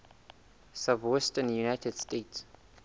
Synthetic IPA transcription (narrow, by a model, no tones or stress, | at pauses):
savwɛstə̃njunaɪtʰɛdstets